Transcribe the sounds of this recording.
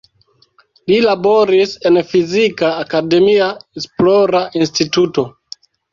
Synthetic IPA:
lilabo̞ɾise̞nfizikaːkade̞miaesploɾaʔinstituto̞

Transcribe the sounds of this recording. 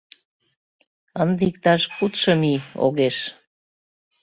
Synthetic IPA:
ənd̪ik̚t̪ɑʃkut̪ʃə̆mio̰ɣeʃ

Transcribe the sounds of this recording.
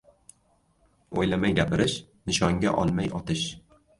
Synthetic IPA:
o̰jlamajɡʲapʰɪɾɪʃ | nɪʃɒŋɡʲa̰ʔɒ̰lˠmajʔɒt̪ʰɪʃ

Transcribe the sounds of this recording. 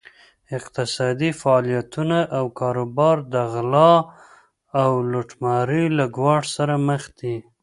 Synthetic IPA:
ɪqt̪ɪsɑd̪ifaːlijat̪unaʔawkʰɑɾobɑɾd̪əɣlɑ | awloʈmɑɾilaɡwɑʈsaɾaməxd̪i

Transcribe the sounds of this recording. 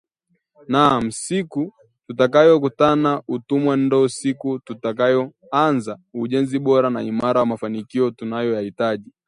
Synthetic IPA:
nam̩siku | tutakajɔk̬utanautumwan̩dɔusikututakajɔ | anzauʄɛnziɓɔɾanaimaɾamafanikiɔtunajɔjahitaʄi

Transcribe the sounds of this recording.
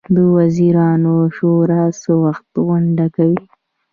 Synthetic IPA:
d̪əwaziɾɑnoʃoɾasəwaxt̪ɣʊɳɖakawi

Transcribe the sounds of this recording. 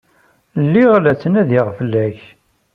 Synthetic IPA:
lːiʁlæt͡sːənæðiʁfəlːæç

